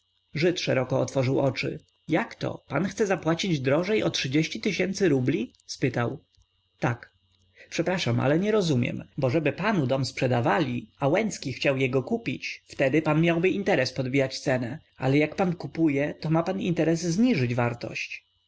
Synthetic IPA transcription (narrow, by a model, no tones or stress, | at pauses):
ʐɘt̪ʂɛɾɔkɔːt̪fɔʐɘwɔt͡ʂɘ̰ | jakt̪ɔ̰panxt̪sɛzapwat͡ɕid͡ʑd̪ɾɔʐɛjɔtʂɘd͡ʑeɕt͡ɕit̪ɘɕɛnt̪sɘɾublʲi | spɘt̪aw | t̪ak | pʂɛpɾaʂamʔa̰lɛɲɛɾɔzumʲjɛ̰mbɔʐɛbɘpanud̪ɔmspʂɛd̪avalʲiawɛnt̪skʲixt͡ɕawjɛɡɔkupʲit͡ɕft̪ɛd̪ɘpanmʲjawbɘint̪ɛɾɛspɔd̪bʲijat͡ɕt̪sɛnɛ | a̰lɛjakpankupujɛt̪ɔmapanint̪ɛɾɛzzɲiʐɘd͡ʑvaɾt̪ɔ̰ɕt͡ɕ